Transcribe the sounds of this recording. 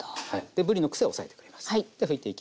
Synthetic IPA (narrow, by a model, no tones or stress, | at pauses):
haid̪ebɯ̟ɾʲinokɯ̟̥se̞oosae̞t̪ekɯ̟ɾemasɨ̥id̪̥eɸɯ̟it̪ːe̞ikʲi